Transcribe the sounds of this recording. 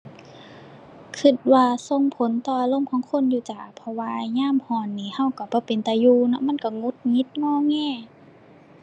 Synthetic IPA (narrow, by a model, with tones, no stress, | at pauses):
kʰɯ˧˩t̪̚waː˧so˧˨ŋpʰo˨˦nt̪ɔː˧ʔa˧˦lo˧˥˨mkʰɔː˨˦ŋkʰo˧˥˨njuː˧t͡ɕaː˨˩pʰɔ˧waː˧ɲaː˧˥˨mhɔː˧˩nːiː˧˩ha˧˩˨wka˧˩bɔː˧˦pe˨nt̪ɛː˨˧˦juː˧nɔ̰˧˦ma˧˥˨nka˧˩ŋu˧˦t̪̚ŋi˧˦t̪̚ŋɔː˧˩˨ŋɛː˧˥˨